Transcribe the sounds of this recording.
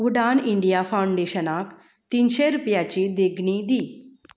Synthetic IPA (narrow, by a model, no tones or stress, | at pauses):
uɖaniɳɖijafawɳɖeɕənak | t̪inɕeɾupjat͡ɕid̪eɡɳid̪iː